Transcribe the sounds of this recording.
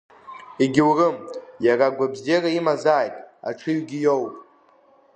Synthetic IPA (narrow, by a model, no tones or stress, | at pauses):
iɡʲɪwrɨmjaraɡʷabzeraimazaːjtʼa̰ʈ͡ʂʰɨɥɡʲijowpʼ